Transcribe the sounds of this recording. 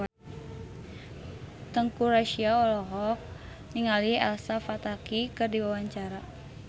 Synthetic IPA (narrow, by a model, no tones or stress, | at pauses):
t̪əŋkuɾaʃiaɔlɔɦɔk̚ | ɲiŋaliha̰lsafat̪akikɨrdiwawaɲt͡ʃaɾa